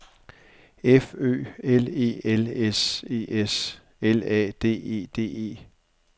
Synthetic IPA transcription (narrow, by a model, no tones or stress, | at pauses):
efø̰ːele̝̰ːelese̝̰ːes | elɛ̰ːd̥e̝̰ːe̝̰ːd̥e̝̰ːe̝̰ː